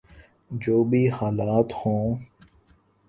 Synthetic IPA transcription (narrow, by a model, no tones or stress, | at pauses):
d͡ʒoːbʱiːhaːlaːt̪hõː